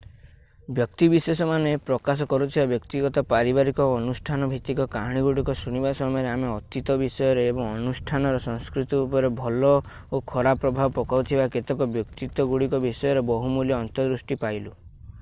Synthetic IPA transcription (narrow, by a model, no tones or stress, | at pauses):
bjɔkt̪ibisesɔmanepɾɔkas̬ɔkɔɾut̪ʰibabjɔkt̪iɡɔt̪ɔpaɾibaɾikɔːnusʈʰanɔbʱit̪ikɔkaɦɽ̃iɡuɽikɔsɾuñibasɔmɔjɔɾeameɔt̪it̪ɔbisɔjɔɾeːbɔŋɔnusʈʰanɔɾɔsɔ̃ŋskɾit̪iːpɔɾebʱɔlɔ | okʰɔɾapɾɔbʱabɔpɔkaut̪ʰibaket̪ɔkɔbjɔkt̪it̪ɔɡuɽikɔbisɔjɔɾebɔɦumuljɔːnt̪ɔd̪ɾusʈipajlu